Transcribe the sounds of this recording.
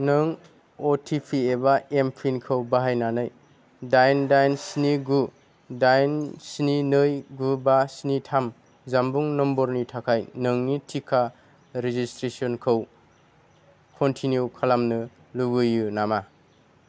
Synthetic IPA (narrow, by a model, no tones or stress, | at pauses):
nɯŋ | otʰipʰiebaempʰinkʰɯwbaɦajnanɯj | dajndajnsiniɡu | dajnsininɯjɡubasinitʰam | zambuŋnɔmbɔɾnitʰakʰajnɯŋnitʰikʰa | ɾezistɾesɔnkʰəw | kʰɔntʰinjukʰalamnɯ | luɡɯjːunama